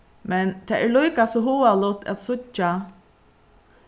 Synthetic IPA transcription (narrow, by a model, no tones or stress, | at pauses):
mɛnt̪ʰɛɛɹlujkasɔɦuːalʊt̪ɛ̰t̪sʊt͡ʃa